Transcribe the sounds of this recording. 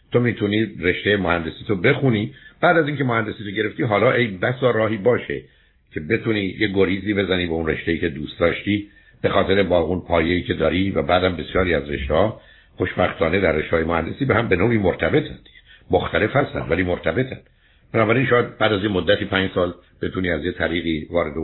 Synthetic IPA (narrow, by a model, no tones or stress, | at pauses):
t̪ʰomiːt̪ʰuniːre̞ʃt̪ejemohænd̪e̞siːt̪ʰobe̞xuniːb̥æːd̪æziŋcʰe̞mohænd̪e̞siːt̪oɟe̞ɾe̞ft̪iːɦɒːlɒːʔe̞jbæsɒːɾɒːɦiːbɒːʃe̞ | cʰe̞be̞t̪ʰuniːjeɡo̞ɾiːziːbe̞zæniːbeunre̞ʃt̪e̞iːkcʰe̞d̪uːst̪̚d̪ɒːʃt̪iː | b̥e̞xɒːt̪e̞ɾe̞bɒːɣunpʰɒːjeiːcʰe̞d̪ɒːɾivæbæːd̪æmbe̞sjɒːɾiːæzre̞̰ʃt̪ehɒː | xo̞ʃbæxt̪ʰɒːned̪æɾːeʃt̪ehɒːjemohænd̪e̞siːbehæmbe̞noːʔiːmoɾt̪ʰæbe̞t̪ʰæmoxt̪ʰæle̞fhæst̪æ̰nd̪væliːmoɾt̪ʰæbe̞t̪ʰænd̪̥ | b̥enɒːbæɾinʃɔːjæd̪̚bæːd̪æzjemod̪ːæt̪iːpʰæːɲd͡ʒsɒːl | b̥e̞t̪ʰuniːæzjet̪ʰæɾiːɣiːvɒːɾe̞d̪e